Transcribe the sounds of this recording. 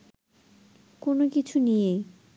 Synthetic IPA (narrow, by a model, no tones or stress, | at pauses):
konokit͡ɕʰunije